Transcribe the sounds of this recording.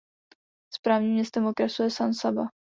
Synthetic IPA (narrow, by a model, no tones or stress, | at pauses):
spɾaːvɲimɲɛst̪ɛmokɾasujɛsansaba